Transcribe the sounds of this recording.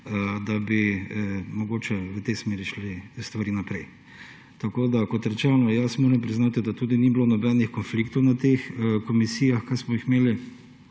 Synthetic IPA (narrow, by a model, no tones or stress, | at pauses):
d̪abi | mɔɡoːt͡ʃɛʋət̪ɛjsmeːɾiʃlist̪ʋaɾiːnapɾɛj | t̪akoːd̪akɔt̪ɾɛt͡ʃɛnɔjasmoːɾɛmpɾiznaːt̪id̪at̪uːd̪iniblonɔbɛnixkɔnflikt̪ɔwnat̪exkɔmisiːjaxkajsmɔixmeːli